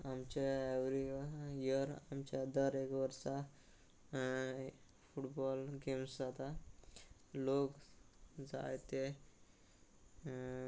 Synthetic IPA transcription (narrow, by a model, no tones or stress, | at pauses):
amt͡ɕeɛʋɾijəɾa̰mt͡ɕad̪əɾekʋəɾsa | fuʈbɔlɡemsd͡zat̪a | lok | d͡za̰jt̪e